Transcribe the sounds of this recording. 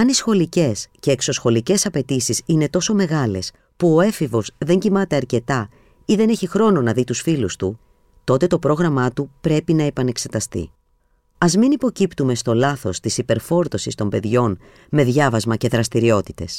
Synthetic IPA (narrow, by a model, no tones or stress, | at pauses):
ɐnisxo̞lice̞sce̞ːkso̞sxo̞lice̞sɐpe̞t̪isisine̞t̪o̞so̞me̞ɣɐle̞̰s | puo̞e̞fivo̞zðe̞ɲɟimɐt̪e̞ɐɾce̞t̪ɐ | iðe̞ne̞çixɾo̞no̞nɐðit̪usfilust̪u | t̪o̞t̪e̞t̪o̞pɾo̞ɣɾɐmɐt̪upɾe̞pinɐepɐne̞kse̞t̪ɐst̪ḭ | ɐzminipo̞cipt̪ume̞st̪o̞lɐθo̞st̪isipe̞ɾfo̞ɾt̪o̞sist̪o̞mbe̞ðʝo̞n | me̞ðʝɐvɐzmɐce̞ðɾɐst̪iɾio̞t̪i̥t̪e̞̰s